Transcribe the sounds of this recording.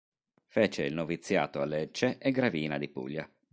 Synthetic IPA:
feːt͡ʃeilnovit̪sːja̰ːt̪oalːet͡ʃːeʔeɡɾaviːnad̪ipṵʎːa

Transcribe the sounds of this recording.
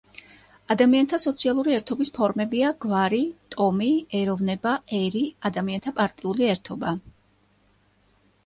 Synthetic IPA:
ad̪amiant̪ʰasɔt̪sʰialˠuɾiɛɾt̪ʰɔbispʰɔɾmɛbiaɡ̥vaɾit̪ʼɔmiɛɾɔvnɛbaɛɾiad̪amiant̪ʰapʼaɾt̪ʼiuliɛɾt̪ʰɔba

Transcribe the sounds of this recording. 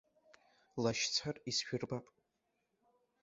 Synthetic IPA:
laʃt͡sʷʰarisʃᶣʊrbapʼ

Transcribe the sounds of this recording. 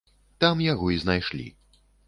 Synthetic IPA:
t̪amjaɣɔiznajʂlʲḭ

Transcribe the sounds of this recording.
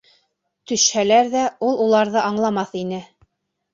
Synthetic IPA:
t̪ɵ̆ʃhælæɾðæulˠulˠɑɾðɤʔɑɴlˠɑmɑθinɘ

